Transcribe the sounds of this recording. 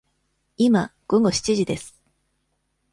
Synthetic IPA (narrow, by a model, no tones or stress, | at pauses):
imaɡ̥o̞ɡo̞ɕi̥t͡ɕiʑid̪e̞sɨ̥